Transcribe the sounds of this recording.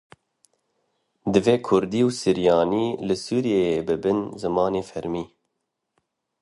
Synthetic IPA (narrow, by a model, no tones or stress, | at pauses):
d̪ɨveːkʰʊɾd̪iːwsɨɾijɑːniːlɨsuːɾijeebɨbɨnzɨmɑːneːfɛɾmiː